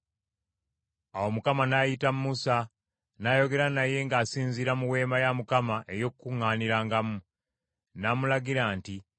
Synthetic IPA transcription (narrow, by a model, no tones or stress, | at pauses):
awo̞mukamanajitammusa | najo̞ɡe̞ɾanaje̞ŋɡaːsiːnziɾamuwe̞ːmajamukamaʔe̞jo̞kkːuŋːaːniɾaːŋɡamu | namulaɡiɾaːnti